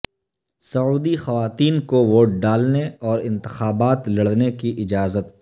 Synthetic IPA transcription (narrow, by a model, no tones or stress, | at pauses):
sɐuːd̪ixɐʋaːt̪iːnkoʋoːʈ̚ɖaːlneɔːɾɪ̃nt̪ɪ̥xaːbaːt̪lɐɽ̤nekiʔɪd͡ʒaːzət̪̚